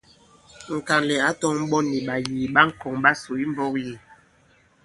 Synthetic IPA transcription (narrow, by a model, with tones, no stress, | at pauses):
ŋ̩˨ka˨ŋlɛ˨a˨˦tɔ˦ŋm̩˦ɓɔ˦ni˨ɓa˨jiː˨ɓa˦ŋ̩˦kɔ˨ŋɓa˦so˨i˦m˦bɔ˦kji˨